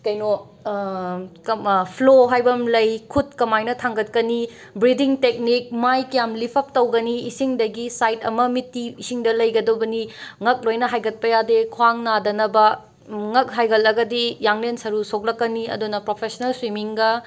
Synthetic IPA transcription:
kɐjno | kpʰloɦajbɐmlɐjkʰut̚kɐmajnɐtʰaŋɡɐt̚kɐni | bɾidiŋtek̚nik̚majkɐjamlipʰɐp̚tɐwɡɐniːsiŋdɐɡisajtɐ̰mɐmitːiːsiŋdɐlɐjɡɐdobɐniŋɐk̚lojnɐɦajɡɐt̚pɐjadekʰwaŋnadɐnɐbɐ | ŋɐk̚ɦajɡɐlɐɡɐdijaŋlensɐɾusok̚lɐkːɐniɐ̰dunɐpɾopʰesɐnɐlswimiŋɡɐ

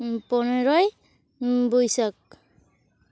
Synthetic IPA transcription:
pɔneɾɔj | bujsak̚

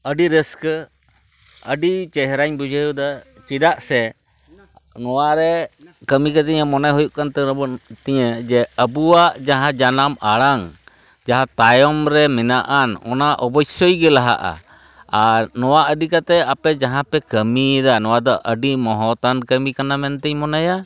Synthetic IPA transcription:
əɖiɾəskə | əɖit͡ʃɛɦɾaɲbud͡ʒʱəjud̪a | t͡ʃid̪aʔsɛ | nɔwaɾɛkəmikət̪iɲəmɔnajɦɔjuʔkant̪ɛɾɔbɔt̪iɲəd͡ʒɛəbuwaʔd͡ʒaɦãd͡ʒanamaɽaŋ | d͡ʒaɦãt̪ajɔmɾɛmɛnaʔanɔ̰naʔɔbɔjsɔjɡɛlaɦa̰ʔa̰ | anɔwaʔəd̪ikat̪ɛapɛd͡ʒaɦãpɛkəmid̪anɔwad̪ɔʔəɖimɔɦɔt̪ankəmikanamɛnt̪ɛɲmɔnaja

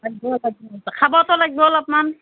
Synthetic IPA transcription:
laɡbɔlaɡɔkʰabɔt̪ɔlaɡibɔlapnan

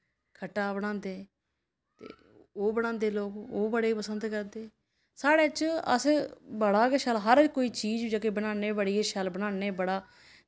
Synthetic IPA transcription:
kʰəʈːaːbəɽ̃ãːnd̪eː | t̪ḛː | oːbəɽ̃ãːnd̪eːloːkoːbəɽeːpəsənd̪kəɾd̪eː | saːɽeːt͡ʃə̰sbəɽaːkeʃəlɦəɾkoːiːt͡ʃiːd͡ʒd͡ʒaːkeːbəɽãːneːbəɽieʃəlbəɽãːneːbəɽaː

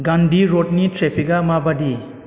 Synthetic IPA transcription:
ɡandiɾot̚nitɾepʰiɡamabadi

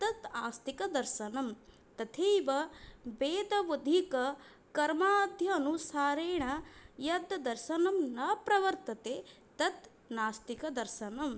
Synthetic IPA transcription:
t̪ɐt̪aːst̪ikɐd̪ɐɾʃɐnɐm | t̪ɐt̪ʰeːʋɐbeːd̪ɐʋɐd̪ʱikɐ | kɐɾmaːd̪ʱjɐːnusaːɾeːɳɐjɐd̪d̪ɐɾʃɐnɐmnɐpɾɐʋɐɾt̪ɐt̪eː | t̪ɐt̪ | naːst̪ikɐd̪ɐɾʃɐnɐm

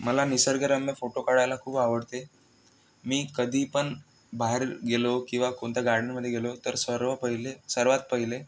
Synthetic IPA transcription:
məlanisəɾɡəɾamjəfoʈokaɽajlakʰuːpaʋəɽt̪e | miːkəd̪ʱiːpəɳ | baɦeɾɡelokĩw̃ʋakoɳt̪jaɡaɾɳəməd̪ʱjeɡelot̪əɾsəɾʋəpəɦilesəɾʋat̪̚pəɦile

